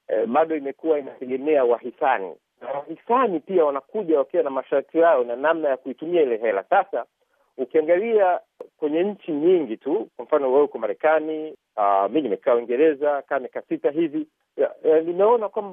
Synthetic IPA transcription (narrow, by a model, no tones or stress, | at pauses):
ɓaɗɔimɛkuwainatɛɠɛmɛawahisanḭ | nawahisanipiawanakuʄawakianamaʃaɾtʰijaɔnanamnajakuitumiailɛɦɛla̰sasa | ukiaŋɡalia | kwɛɲɛɲ̩t͡ʃiɲiŋɡitukwam̩fanɔwɛukɔmaɾɛkani | aminimɛkaːawiŋɡɛɾɛzakaːmikasitaɦivi | nimɛɔnakwamba